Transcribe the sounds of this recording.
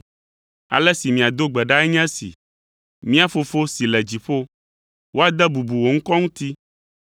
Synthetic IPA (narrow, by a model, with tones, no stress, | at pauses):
a̰˨lɛ˦si˨mĩ˨a˨d̪o˦ɡ͡bɛ˨ɖa˦ɛ˦ɲɛ̃˦sḭ˨ | mĩ˦a˦fo˨fo˦si˨lɛ˨d͡ʑi˨ɸo˦ | wo˦a˦d̪ɛ˦bu˨bu˨wo˨ŋ̩˦kɔ˦ŋũ˦t̪i˦